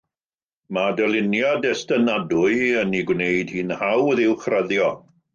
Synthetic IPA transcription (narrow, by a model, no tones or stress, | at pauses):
madəlɪnjadɛstənadʊɨəniɡwnejd̥hiːnhawðɪwχrəðjɔ